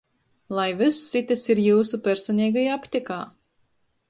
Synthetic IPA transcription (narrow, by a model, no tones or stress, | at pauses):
lˠajvɨssit̪ʲasiɾjuːsupʲæɾsɔnʲiːɡajaapʲt̪ʲika̰ː